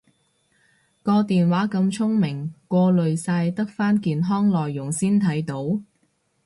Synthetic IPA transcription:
kɔː˧t̪iː˨nwaː˨˥kɐ˧mt͡sʰʊ˥ŋmɪ˨˩ŋkʷɔː˧lɵ˨ɥsaː˧jt̪ɐ˥k̚faː˥nkiː˨nɦɔː˥ŋlɔː˨jːʊ˨˩ŋsiː˥nt̪ʰɐ˨˥jt̪o˨˥w

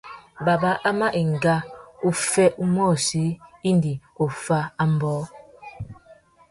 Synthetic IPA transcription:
ba˨ba˦ʔa˦ma˦ʔi˨ŋ̩˨ɡa˦u˦fɛ˦ʔu˦mɔː˦˨si˨˦i˦n˦di˨o˨fa˦a˦m̩˦bɔ˨˦

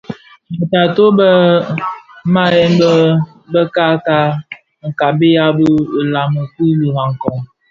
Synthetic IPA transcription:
bə˨ta˨to˦bə˦ | ma˦jɛ˦nb | bə˦ka˦ka˦ | ŋ̩˨ka˨bi˦ja˦bə˦˨la˨mə˨ki˦li˨ma˨ŋ̩˨kɔ˨ŋ

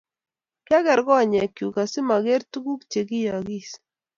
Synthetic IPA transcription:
kɛ˦ɡɛ˨ɾɡɔ˦˨ɲɛ˨kju˨ka˨si˦ma˨ɡe˦ɾtu˦ɡu˦kt͡ʃe˨ɡi˦ja˨ɡi˦s

